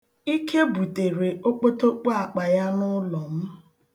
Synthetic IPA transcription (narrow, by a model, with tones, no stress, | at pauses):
i˦kʰe˦bu˨te˨ɾe˨o˦k͡po˦to˦k͡po˦a˨k͡pa˨ja˦nʊ˦lɔ˨m̩˦